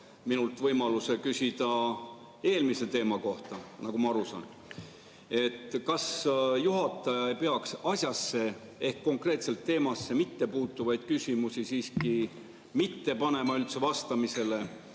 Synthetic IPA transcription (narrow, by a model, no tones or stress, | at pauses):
minult̪ˑvɤjmɑluse̞kysʲid̪̥ɑ | e̞ːlmise̞t̪e̞ːmɑko̞ht̪ɑnɑkɡumɑɑɾusɑ̰n | e̞t̪ːkɑsjuɦɑt̪ːˑɑjɑejpe̞ɑksɑsʲjɑsːe̞ | e̞hkːo̞ŋkre̞ːt̪se̞lt̪ːe̞ːmɑsːe̞mit̪ːe̞puːt̪ːuvɑjd̪̥̚kysʲimusisiːski | mit̪ːe̞pɑne̞mɑylt̪se̞vɑst̪ɑmise̞le̞